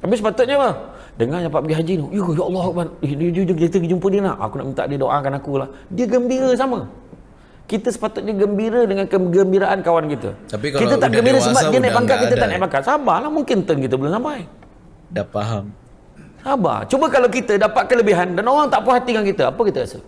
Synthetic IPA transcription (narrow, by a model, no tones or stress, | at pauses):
t̪apisəpat̪ʊt̪̚ɲəpə | dəŋaɲapat̪pbəɡiɦad͡ʒinujəjaʔɑlːɔhkband͡ʒud͡ʒkit̪əɡid͡ʒumpədiənaʔa̰kuna̰ʔmint̪a̰ʔdiədoʔakanakulahdiəɡəmbiɾəs̬amə | kit̪əsə̥pat̪ʊt̪̚ɲəɡəmbiɾədəŋankəɡəmbiɾaʔankawankit̪ə̰aikkit̪ət̪aʔɡɡəmbiɾəsəmbaʔdiənajpaŋkaʔ̪ʔkit̪ət̪aʔnajʔpaŋkaʔ̪̚sabalamuŋkɪnt̪ənkit̪əbəlʊnsampaj | dafaɦam | saba̰t͡ʃubəkalawkit̪ədapat̪̚kələbiɦandanoɣaŋt̪aʔpuɦat̪iŋankit̪əapəkit̪əasə̰